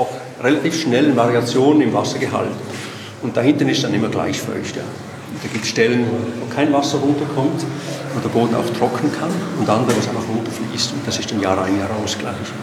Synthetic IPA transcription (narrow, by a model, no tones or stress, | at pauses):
aʊx | ʁelatiːfʃnɛlənvaʁiat͡sjoːnənɪmvasɐɡəɦa̰lt | ʊnt̚d̥aɦɪntənɪstsd̥anɪmɐɡla̰ɪçfœ̰lçtja̰ː | ʊntd̥aːɡ̥iːp̚tsʃtɛlənvoːvoːkʰaɪnvasəʁʊntɐkʰɔmtvodeɐboːdn̩a̰ʊxtʁ̥ɔkʰən̩kʰanʊndandəʁəvasaɪnfaχʁʊntəflḭstʊnt̚d̥asɪstanjaːʁaɪnjaːʁaʊsɡ̥la̰ɪç